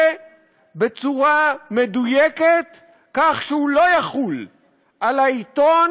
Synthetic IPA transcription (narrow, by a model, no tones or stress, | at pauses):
bet͡suʁamed̪ujeket̪ | kaχʃehulo̞jaχul | ʔalait̪o